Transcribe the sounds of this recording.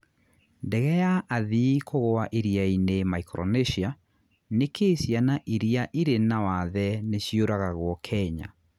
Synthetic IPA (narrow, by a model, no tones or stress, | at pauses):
ndɛɣɛjaʔaðikʰoɣoaʔiɾiainemaikɾɔ̰neɕia | nekesjanaʔiɾiaʔiɾenawaðɛneɕioɾaɣaɣwɔkʰɛɲa̰